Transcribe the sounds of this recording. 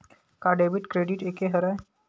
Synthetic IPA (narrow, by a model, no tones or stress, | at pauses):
kaɖebiʈkɾeɖiʈekeɦəɾaj